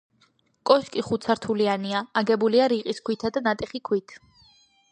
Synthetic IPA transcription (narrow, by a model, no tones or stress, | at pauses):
kʼɔʃkʼiχut̪sʰaɾt̪ʰulianiaːɡɛbuliaɾiqʼiskʰwit̪ʰad̪anat̪ʼɛχikʰwit̪ʰ